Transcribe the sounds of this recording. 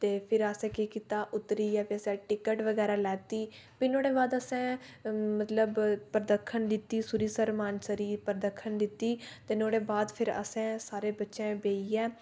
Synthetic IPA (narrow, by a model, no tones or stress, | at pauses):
t̪eːpʰɪɾəsɛ̃ːkekiːt̪aːʔʊt̪ɾiːɛːpʰiəsɛ̃ːʈɪkəʈʋəɡɛːɾaːlɛːt̪iː | piːnoːɽeːbaːd̪əsɛ̃ːmət̪ləbpəɾd̪əkʰːənd̪ɪt̪ːiːsʊɾiːsəɾmaːnsəɾiːpəɾd̪əkʰːənd̪ɪt̪ːiːt̪eːnoːɽeːbaːd̪pʰɪɾə̰sɛ̃ːsaːɾeːbətːʃɛ̃ːbeːiːɛː